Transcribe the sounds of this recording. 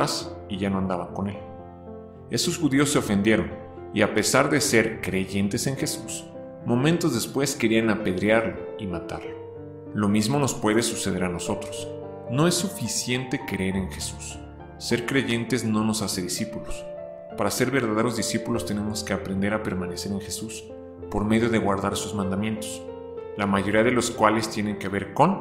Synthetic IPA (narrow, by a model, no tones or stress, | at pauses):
asiʝano̞and̪aβako̞ne̞l | e̞so̞sxuðio̞sːe̞ofe̞nd̪jeɾo̞n | iape̞saɾðe̞se̞ɾkɾe̞ʝe̞nt̪e̞se̞ŋxe̞sus | mõ̞mẽnt̪o̞zðespwe̞skeɾianape̞ðɾjaɾloimat̪a̰ɾlo | lo̞mizmo̞no̞spwe̞ðe̞suse̞ð̞e̞ɾano̞so̞t̪ɾos | no̞e̞sːufisje̞nt̪e̞keɾe̞ɾenxe̞susː | e̞ɾkɾe̞ʝe̞nt̪ezno̞no̞sase̞ðisipulos | paɾase̞ɾβe̞ɾðaðeɾo̞zðisipulo̞st̪e̞ne̞mo̞ske̞apɾe̞nd̪e̞ɾape̞ɾmãne̞se̞ɾe̞ŋxe̞sus | po̞ɾmeðjo̞ðe̞ɣwaɾðaɾsuzmãnd̪amjẽ̞nt̪o̥s | lamaʝo̞ɾiaðe̞lo̞skwale̞st̪je̞ne̞ŋkeβe̞ɾko̞n